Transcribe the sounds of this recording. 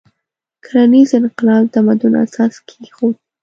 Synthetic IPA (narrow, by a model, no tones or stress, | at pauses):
kʰaɾanizɪnqɪlɑwt̪amad̪una̰sɑskʰeɡixo